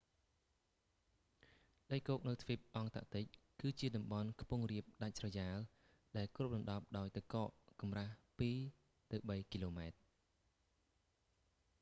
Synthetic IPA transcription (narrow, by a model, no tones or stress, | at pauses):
ɗəjkoːk̚nɨwt̪ʰʋip̚ʔɑŋt̪a̰ʔt̪ɨc̚kɨːt͡ɕiəɗɑmɓɑnkʰpuəŋriəp̚ɗac̚srɑjaːl | ɗaɛlkrup̚ɗɑnɗɑp̚ɗaɔjt̪ɨkɑːʔkɑmrahpiː | t̪ɨwɓəjkiloːmaɛt̪̚